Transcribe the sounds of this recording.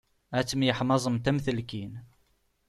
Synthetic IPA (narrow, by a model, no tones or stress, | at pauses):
æt͡sːəmjəħmɑzˤəmt̪æmθəlkin